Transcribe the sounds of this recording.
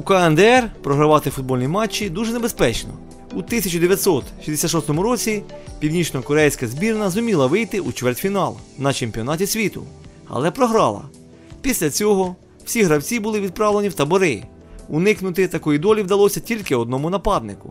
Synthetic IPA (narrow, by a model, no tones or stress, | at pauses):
ukɐɛnd̪ɛɛrpɾɔɦɾɐʋɑt̪ɪfʊd̪̚bɔlʲnʲimɑt͡ʃːid̪uʒɛnebespɛt͡ʃnɔ̰ | ut̪ɪsʲɐt͡ʃʊd̪eʋʲjɐt̪ʲsɔt̪ʃʲizd̪esʲat̪ʃɔst̪ɔmʊɾɔt͡sʲipʲiwnʲit͡ʃnɔkɔɾɛjsʲkɐzbʲirnɐzʊmʲilˠɐʋɪjt̪ɪʔut͡ʃʋɛrtʲfʲinɑlˠnɐt͡ʃemʲpʲiɔnɑtʲisʲʋʲit̪ʊ̰ | ɐ̰lˠɛpɾɔɦɾɑ̰lˠɐ̰ | pʲisʲlʲɐt͡sʲɔɦɔ | w̥sʲiɦɾɐwt͡sʲibʊlˠɪʋʲid̪̚pɾɑwle̞nʲiwt̪ɐbɔɾɪ | ʊnɪknʊt̪ɪt̪ɐkɔjid̪ɔlʲiwd̪ɐlˠɔsʲɐtʲilʲkɪɔd̪̚nɔmʊnɐpɑd̪nɪkʊ̰